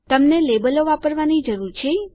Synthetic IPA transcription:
t̪əmnelebəloʋapəɾʋanid͡ʒəɾuɾt͡ʃʰe

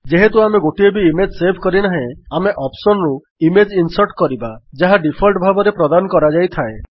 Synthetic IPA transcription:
d͡ʒeɦet̪uameɡoʈiebiːmed͡ʒsebʱkɔɾinaɦẽameʔɔpsɔnɾu | imed͡ʒinsɔɾʈkɔɾibad͡ʒaɦaɖipʰɔlʈbʱabɔɾepɾɔd̪anɔkɔɾad͡ʒajt̪ʰae

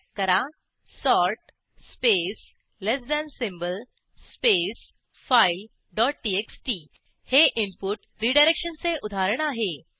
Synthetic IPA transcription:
kəɾa | sɔɾʈ̚ | spes | lesɖansimbəl | spes | fail | ɖɔʈ̚ʈieksʈi | heʔimpuʈ | ɾiɖajɾekɕənt͡seʔud̪ʱaɾəɳ̃aɦe

